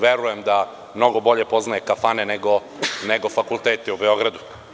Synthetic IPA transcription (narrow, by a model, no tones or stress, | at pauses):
ʋjeɾuje̞md̪a | mno̞ɡo̞bo̞ʎe̞po̞znajekafane̞neɡo | ne̞ɡofakulˠt̪eːt̪ɛubeo̞ɡɾad̪u